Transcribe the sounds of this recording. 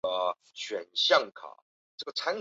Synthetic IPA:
ə˧ | ɕɥɛ˨˩nɕjɑ˥˩ŋkʰa̰˨˩˦ | ʈ͡ʂɤ˥˩ɡə˩ʈ͡ʂʰa˥n

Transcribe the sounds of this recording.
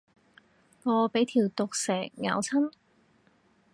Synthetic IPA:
ŋɔː˨˧pe˨˥jt̪ʰiː˨˩wt̪ʊ˨k̚sɛː˨˩k̚ŋa̰ː˨˧wt͡sʰɐ˥n

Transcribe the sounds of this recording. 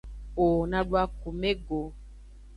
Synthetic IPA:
o˨nã˨ɖu˦a˦ku˨me˦ɡo˨

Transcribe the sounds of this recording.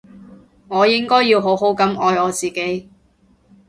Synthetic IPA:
ŋɔː˨˧jɪ˥ŋkɔː˥jːiː˧wɦo˨˥wɦo˨˥wkɐ˨˥mɔː˨˧jɔː˨˧t͡siː˨ke˨˥j

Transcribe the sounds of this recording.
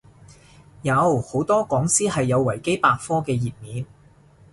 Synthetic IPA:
jɐ˨˧˥who˨˥wt̪ɔː˥kɔː˨˥ŋsiː˥hɐ˨jːɐ˨˧wːɐ˨˩jke˥jpaː˧k̚fɔː˥kɛː˧jiː˨˩t̚miː˨˧n

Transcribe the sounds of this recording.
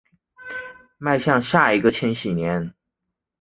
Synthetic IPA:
ma˥˧ɪɕjɑ˥˧ŋɕja˥˩i˧˥ɡə˧t͡ɕʰjɛ˧˥nɕi˨˩njɛ˧˥n

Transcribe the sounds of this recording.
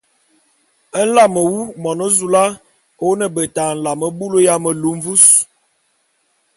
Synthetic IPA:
ə˦n̩˦la˦˨mə˨wu˦mɔ˨no˦zu˨la˦ | o˦nə˨bə˨ta˨n̩˨la˨mə˦bu˦lo˦ja˦mə˨lu˦m˦vu˦s

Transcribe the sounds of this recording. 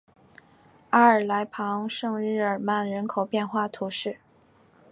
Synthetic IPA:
a˧˥ə˞˨˩la˧˥ɪpʰɑ˧˥ŋʂɤ˥˧ŋɻɻ̩˥˩ə˞˨˩ma˥˩nɻə˧˥nkʰo˨˩ʊpjɛ˥˧nxwa˥˩t̪ʰu˧˥ʂɻ̩˥˩

